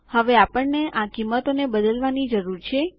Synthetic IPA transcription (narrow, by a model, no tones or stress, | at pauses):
həʋeapəɳneʔakimːət̪onebəd̪əlʋanid͡ʒəɾuɾt͡ʃʰe